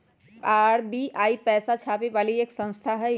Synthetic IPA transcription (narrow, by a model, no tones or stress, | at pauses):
aːɾbiaːipɛːsat͡ʃʰaːpeʋaːlieːksə̃nst̪ʰaɦɛ